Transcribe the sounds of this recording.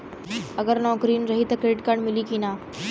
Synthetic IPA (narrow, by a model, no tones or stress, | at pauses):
əɡəɾnɔkɾiːnɾəɦiːt̪əkeʈkaɳmiliːkina